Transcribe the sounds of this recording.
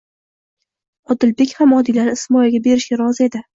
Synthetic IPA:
ɒd̪ɪlbe̞kʲhamɒd̪ilaɾɪsmɒjaɡʲabe̞ɾɪʃɡʲaɾɒzɪe̞d̪ɪ

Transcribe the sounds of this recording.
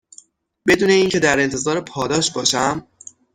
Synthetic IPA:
be̞d̪uːne̞iːŋcʰe̞d̪æɾe̞nt̪ʰe̞zɒːɾepʰɒːd̪ɒːʃbɒːʃæm

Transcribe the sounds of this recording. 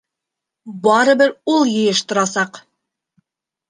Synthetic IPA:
bɑɾɤ̆bɘɾulˠjɤ̆jɤʃt̪ŏɾɑsɑq

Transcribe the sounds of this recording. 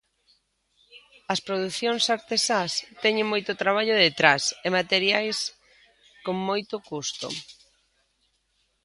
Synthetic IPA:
ɐspɾoðuθjoŋsaɾt̪esast̪ɛɲeŋmojt̪ʊt̪ɾaβ̞aʎoðet̪ɾasemat̪eɾjajs | koŋmojt̪ʊkust̪o̰

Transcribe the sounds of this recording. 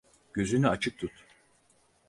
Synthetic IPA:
ɟ̥ø̞zynyat͡ʃʰɯk̚t̪ʰut̪

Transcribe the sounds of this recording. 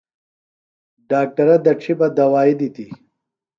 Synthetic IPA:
ɖaːk̚ʈɐɾɐd̪ɐʈ͡ʂʰibɐd̪ɐwaːid̪it̪i

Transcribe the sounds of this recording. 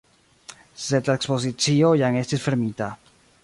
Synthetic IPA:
set̪aekspos̬it͡siojaŋest̪ifeɾmit̪a

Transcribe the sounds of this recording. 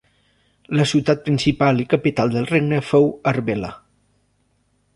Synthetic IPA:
ləsiwt̪at̪̚pɾinsipalikəpit̪alˠd̪əlˠreɡnəfowəɾβelə̰

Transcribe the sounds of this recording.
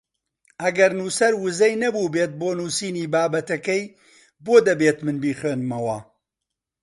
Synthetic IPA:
ʔɐɡɐɾnuːsɐɾwɨzɛjnɐbuːbeːt̪̚boːnuːsiːniːbaːbɐt̪ɐkɛj | boːd̪ɐbeːt̪mɨnbiːχweːnmɐwɐː

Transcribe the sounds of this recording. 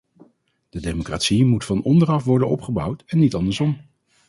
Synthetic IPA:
d̥ədejmokra̰tsimutfɑnɔndərɑfʋɔɹdənɔ̰pχəbʌwtɛnːitɑndəɹsɔm

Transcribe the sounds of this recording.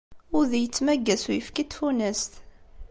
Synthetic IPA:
ʊɾðijət͡sːmæɡːæsujəfkit̪funæst̪

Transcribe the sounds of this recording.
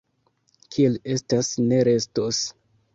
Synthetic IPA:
kʰiele̞stasne̞ɾe̞stos

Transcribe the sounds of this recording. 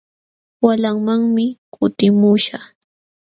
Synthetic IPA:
walaŋmaŋmɪkʰʊt̪ɪmuʃa

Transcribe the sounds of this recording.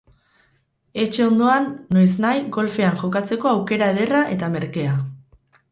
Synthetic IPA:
e̞t͡ʃe̞o̞nd̪o̞anːoeznajɡo̞lfe̞aŋʝo̞kat͡se̞ko̞awke̞ɾaeðe̞raʔe̞t̪ame̞ɾke̞a

